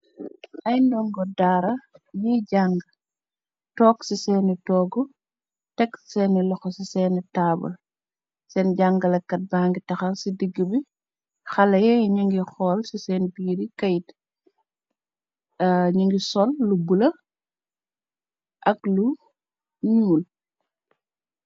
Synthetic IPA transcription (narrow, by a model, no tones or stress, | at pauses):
ʔɐjndɔŋɡɔdaːɾɐɲiɟaŋɡ | tɔːksisɛːnitɔːɡu | tɛksɛːnilɔxɔsisɛːnitaːbɐ̰ | sɛnɟaŋɡɐlɐkːɐt̚baːŋɡitɐxɐsidiɡːibi | xɐlɐjɛjɲiŋɡixɔːlsisɛːnbiːɾikɐjt | ɲiŋɡisɔlːubulɐ | ʔɐklu | ɲuul